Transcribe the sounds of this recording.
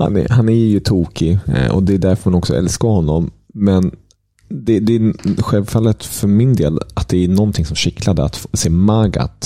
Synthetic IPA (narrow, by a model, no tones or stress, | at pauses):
ha̰nɛ̰hanæɾjɵt̪ʰuːkʰɪɔ̰d̪ɛːɖ̪æɾfœɾmanɔksɔʔɛ̰lskahɔnːɔmːɛn | d̪ɛd̪ɛːɧɛlvfalːət̪fœɾmɪnd̪eːlat̪̚d̪ɛænɔnt̪ʰɪŋsɔmɕɪklad̪əa̰t̪seːmaɡa̰t̪